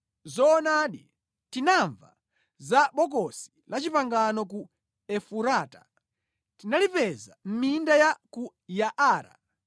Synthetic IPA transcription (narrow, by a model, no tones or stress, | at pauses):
zɔːnaɗi | tinaɱva̰ | zaɓɔk̬ɔsi̥lat͡ʃipaŋɡanɔk̬u | ɛfuɾaːtḁ | tinalipɛza̰m̩mindajaku | jaʔaːɾa̰